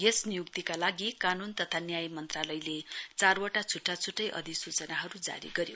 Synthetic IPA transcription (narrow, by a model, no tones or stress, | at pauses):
ɦesnijuk̚t̪ikalaɡikanunt̪ʌt̪ʰanjajmʌnt̪ralʌjlet͡sarwaʈat͡sʰuʈːat͡sʰuʈːʌjʔʌ̰d̪isut͡sʌnaɦʌɾud͡za̰ɾḭɡʌɾjo